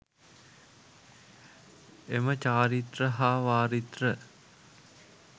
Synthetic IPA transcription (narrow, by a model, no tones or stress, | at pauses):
emət͡ʃaːɾit̪rəɦaːʋaːɾit̪rə